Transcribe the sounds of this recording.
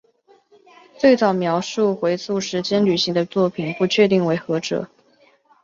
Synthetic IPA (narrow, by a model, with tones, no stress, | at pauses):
t͡swe˥˩ɪt͡sɑ˨˩ʊmjɑ˧˥ʊʂu˥˩xwe˧˥ɪsu˥˩ʂɻ̩˧˥t͡ɕjɛ˥nly˨˩ɕi˧˥ŋd̪ə˧t͡swɔ˥˩pʰi˨˩npu˧˥t͡ɕʰɥɛ˥˧t̪i˥˩ŋwe˧˥ɪxɤ˧˥ʈ͡ʂɤ̰˨˩˦